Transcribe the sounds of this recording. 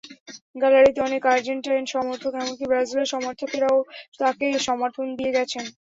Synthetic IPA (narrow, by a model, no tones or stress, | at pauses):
ɡɛlaɾit̪eɔnekaɾd͡ʑeɳʈajnʃɔmoɾt̪ʰokɛmonkibɾazileɾʃɔmoɾt̪ʰokeɾaot̪akeʃɔmaɾt̪ʰond̪ieɡɛt͡ɕʰen